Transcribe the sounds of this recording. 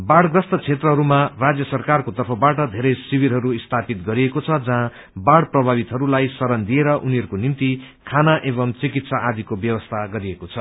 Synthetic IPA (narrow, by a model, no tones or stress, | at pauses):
baɽɡrʌst̪ʌt͡sʰet̪rʌɦʌɾumarad͡zjʌsʌrkarkot̪ʌrpʰʌbaʈʌd̪ʱeɾʌjsibiɾɦʌɾuist̪ʰapit̪̚ɡʌɾiekot͡sʰʌd͡zʌɦã | baɽprʌbʱabit̪ɦʌɾulajsʌɾʌnd̪ieɾʌʔuniɦʌɾukonimt̪i | kʰanaʔebʌmt͡sikit̪saʔad̪ʱikobjʌwʌst̪ʰaɡʌɾiekot͡sʰʌ